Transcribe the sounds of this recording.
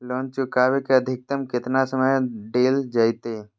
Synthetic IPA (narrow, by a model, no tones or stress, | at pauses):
loːnt͡ʃʊkaːʋekeəd̪ʱɪk̚t̪əmkɪt̪nasəməjɖeːld͡ʒaɪt̪eː